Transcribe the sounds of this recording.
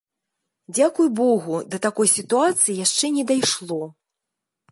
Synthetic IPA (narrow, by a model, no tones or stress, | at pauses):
d͡zʲakujbɔɣud̪ɐt̪akɔjsʲit̪uat̪sɨjijaʂt͡ʂɛnʲɛd̪ajʂlˠɔ